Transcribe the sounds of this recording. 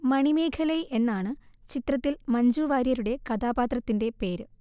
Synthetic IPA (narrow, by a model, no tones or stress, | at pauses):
mɐɳime̞ːkʰɐlɐjʔe̞nːaːɳɨ | t͡ɕit̪rɐt̪ːilmɐɲd͡ʑuːʋaːɾjɐɾuɽe̞kɐd̪aːbaːt̪rɐt̪ːinde̞pe̞ːɾɨ